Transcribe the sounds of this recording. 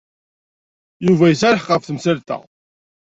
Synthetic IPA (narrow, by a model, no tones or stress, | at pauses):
juvæjəsæɾəħqəfθəmsəlt̪æ̰